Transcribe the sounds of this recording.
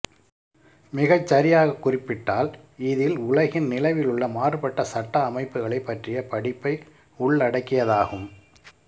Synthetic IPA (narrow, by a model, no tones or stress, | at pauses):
mɪɣɐt͡ʃːɐɾɪjaːɣɐkːʊrɪpːɪʈːaːl | ɪðɪlʊlɐɣɪnnɪlɐʋɪlʊɭːɐmaːrɯpɐʈːɐsɐʈːɐːmɐɪpːɯɣɐɭɐɪpːɐʈrɪjɐpɐɽɪpːɐɪ | ʊɭːɐɽɐkːɪjɐðaːɣɯm